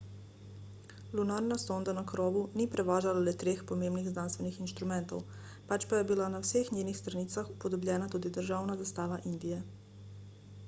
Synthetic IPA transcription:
lunaɾnast̪ond̪anakɾoːʋuniːpɾɛʋaːʒalalɛt̪ɾeːxpomeːmniɣznanst̪ʋɛnixinʃt̪ɾumɛnt̪o̰w | pat͡ʃpajɛbilanawseːxɲeːnixst̪ɾaniːt̪saxupod̪ɔblʲʎɛːnat̪uːd̪id̪əɾʒaːwnazast̪aːʋaʔind̪ijɛ

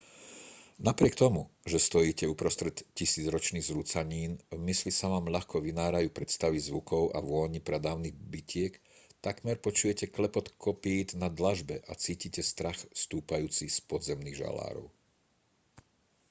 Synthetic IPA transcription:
napɾɪɛk̚t̪ɔmuʒɛst̪ɔjiːcɛupɾɔst̪ɾɛt̪cisiːd͡zɾɔt͡ʃniːɣzɾut͡saɲiːnvmislisaʋaːmʎaxkɔʋinaːɾajuːpɾɛt̪st̪aʋizʋukɔʊʔa̰ʋʊɔɲipɾɛd̪aːʊnibicɪɛk | t̪akmɛɾpɔt͡ʃujɛcɛklɛpɔt̪kʰɔpiːt̪nad̪laʒbɛʔat͡siːcicɛst̪ɾaxst̪uːpajuːt͡sispɔd̪zɛmniːɣʒa̰la̰ːɾɔ̰ʊ

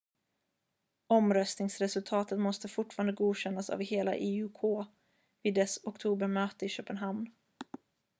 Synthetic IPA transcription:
ɔmɾœst̪nɪŋsɾɛsɵlt̪ʰɑːt̪ət̪mɔst̪əfʊʈːfɑːɾand̪əɡuːɕɛnːasa̰vɪheːla̰ʔɪʉkʰoː | viːd̪ːɛsɔkt̪ʰuːbəɾmøːt̪əɪɕøːpənɦamn

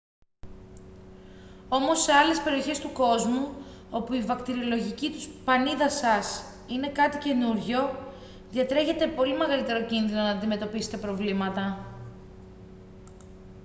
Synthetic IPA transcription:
o̞mo̞se̞ɐle̞spe̞ɾio̞çe̞st̪uko̞zmuo̞puivɐkt̪iɾio̞lo̞ʝicit̪uspɐniðɐsɐs | ine̞kɐt̪ice̞nuɾʝo̞ | ðɐt̪ɾe̞çe̞t̪e̞po̞lime̞ɣɐlit̪e̞ɾo̞cinðino̞nɐːnd̪ime̞t̪o̞pise̥t̪e̞pɾo̞vlimɐt̪ɐ

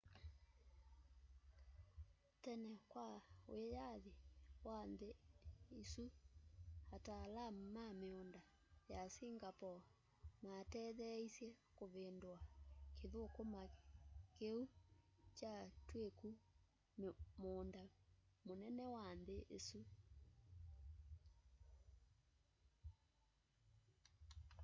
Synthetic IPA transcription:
tɛnɛkwaoejaðewanðeisu | hataːlammameonda | jasiŋɡapɔ | matɛðɛisjɛ | koβendwakeðokomakeut͡ʃatweku | moːndamonɛnɛwanðeʔesu

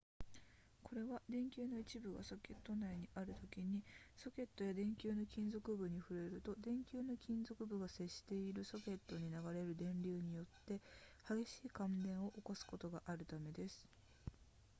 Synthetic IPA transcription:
kʰo̞ɾe̞βad̪ẽ̞ŋkʲɨːno̞it͡ɕibɯ̟ɡa̰so̞kʲe̞t̪ːo̞naiɲ̟iʔaɾɯ̟t̪o̞kʲiɲ̟iso̞kʲe̞t̪ːo̞jad̪ẽ̞ŋkʲɨːno̞kʲĩnzo̞kɯ̟bɯ̟ɲ̟iɸɯ̟ɾe̞ɾɯ̟t̪o̞d̪ẽ̞ŋkʲɨːno̞kʲĩnzo̞kɯ̟bɯ̟ɡase̞ɕːi̥t̪e̞iɾɯ̟so̞kʲe̞t̪ːo̞ɲ̟inaɡaɾe̞ɾɯ̟d̪ẽ̞nɾʲɨːɲ̟ijo̞t̪ːe̞haɡe̞ɕiːkãndẽ̞ɰ̃o̞ʔokosɨ̥ko̞t̪o̞ɡaʔaɾɯ̟t̪ame̞d̪e̞sɨ̥

